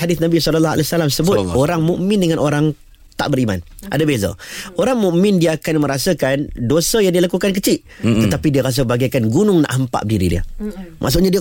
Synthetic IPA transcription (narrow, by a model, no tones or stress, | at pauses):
adɪθnãbisɔləlːɔa̰lɛsalamsəbʊt̪oɾaŋmuʔmɪ̃ndəŋãnʔoɾaŋ | t̪aʔbəɾima̰n | ʔa̰dabeza̰oɾaŋmũʔmɪ̃ndiəːkanmə̃ɾasəkandosəjaŋdilakukank̬ət͡ʃɪʔ | t̪ət̪apidiəɾas̬əbaɡakanɡunʊŋna̰ʔɦəmpa̰ʔdiɾḭdiə̰mʔa̰ʔs̬ʊʔɲadiə